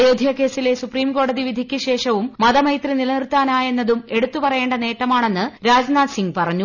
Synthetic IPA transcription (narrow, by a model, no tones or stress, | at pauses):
joːd̪ʱijɐke̞ːsile̞supriːmko̞ːɽɐðiʋid̪ʱikʲːɨɕe̞ːʂɐʋumːɐðɐmɐjt̪rinilɐnirt̪ːaːnaːje̞nːɐðume̞ɽut̪ːupɐrɐje̞ːɳɖɐne̞ːʈːɐmaːɳe̞nːɨɾaːd͡ʑnaːd̪siŋɡpɐrɐɲːu